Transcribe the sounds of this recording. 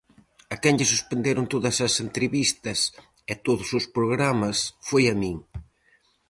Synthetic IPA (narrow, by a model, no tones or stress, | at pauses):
ɐkɛnʎɪsuspend̪eɾʊnt̪oðɐsɐsent̪ɾeβist̪ɐs | ɪt̪oðʊsʊspɾoɣɾamɐsfojɐmiŋ